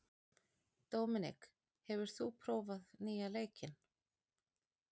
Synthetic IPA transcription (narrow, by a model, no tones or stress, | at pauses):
t̪owmɪnɪ̰k | hɛvʏɾ̥θupʰɾoːwvaðniːaleːjcɪn